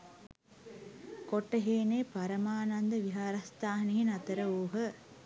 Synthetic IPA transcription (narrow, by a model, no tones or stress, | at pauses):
koʈːəɦeːneːpɐɾɐmaːnɐnd̪əʋiɦaːɾɐst̪aːɦɐniɦinɐt̪ɐɾəuːɦə